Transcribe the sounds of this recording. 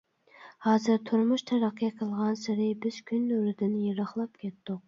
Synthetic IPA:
hɑːzɨɾt̪ʰuɾmuʃt̪ʰɛɾæqʰːijqʰəlˠʁɑnsɪɾɪbɪz̥kʲʰynøɾɪd̪ɪnjeɾɑχlˠɑpkʲʰɛt̪ːʊq̚

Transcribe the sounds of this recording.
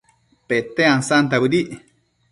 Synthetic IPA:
pet̪eaŋsant̪abud̪iʔ

